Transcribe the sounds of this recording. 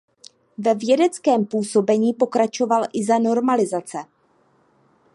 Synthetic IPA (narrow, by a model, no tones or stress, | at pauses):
vɛvjɛdɛt͡skɛːmpuːso̞bɛɲiːpo̞kɾat͡ʃo̞valʔɪzano̞ɾmalɪzat͡sɛ